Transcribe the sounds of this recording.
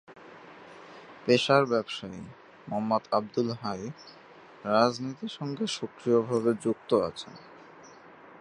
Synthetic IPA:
peʃaɾbɛbʃae | mɔmːad̪ab̚d̪ulɦaj | ɾad͡ʑnit̪iʃɔŋɡeʃokɾiobʱabed͡ʑuk̚t̪oa̰t͡ɕʰḛn

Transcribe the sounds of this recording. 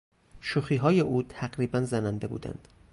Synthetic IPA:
ʃuxiːɦɒːje̞ʔuːt̪ʰæɡɾiːbænzænænd̪e̞bṵːd̪æ̰nd̪̥

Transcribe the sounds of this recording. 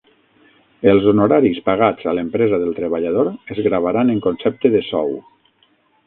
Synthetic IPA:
əlˠzonoɾaɾispaɣ̞ad͡zalempɾɛzaðəlˠt̪ɾəβaʎaðoɾezɣɾaβaɾaneŋkonsɛp̚t̪əðəsɔw

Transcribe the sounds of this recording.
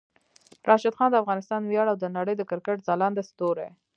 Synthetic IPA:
ɾʔɑʃad̪xɑnd̪əafɣɑnɪst̪ɑnwjɑɽawd̪ənaɽəjd̪əkɪɾkəʈ̚zɑlɑnd̪əst̪oɾe

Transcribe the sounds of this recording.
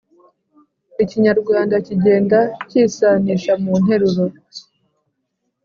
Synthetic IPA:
iciɲaɾɡwaːndaciɟe̞ːndaciːsaniʃamun̥ɦe̞ɾuɾo

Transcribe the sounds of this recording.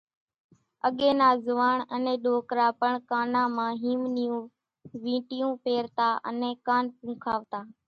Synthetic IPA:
əɠẽːnaːzʊʋaːɳənɛ̃ːɗoːkɾaːpəɳkaːnãːmãːɦĩːmnjũː | ʋĩːʈɪjũːpeːɾt̪aːʔə̰nɛ̃ːkaːnpũːkʰaːʋt̪aː

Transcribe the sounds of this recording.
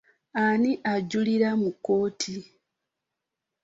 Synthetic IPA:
aniʔaɟːuliɾamukːo̞ːtʰi

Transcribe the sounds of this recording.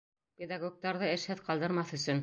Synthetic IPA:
pʲed̪aɡok̚t̪ɑɾðɤɘ̆ʃhɘðqɑlˠd̪ɤ̆ɾmɑθɵ̆sɵn

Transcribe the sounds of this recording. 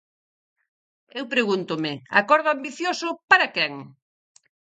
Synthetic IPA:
ewpɾeɣunt̪ʊmɪa̰kɔɾðoambiθjosʊpaɾɐkɛŋ

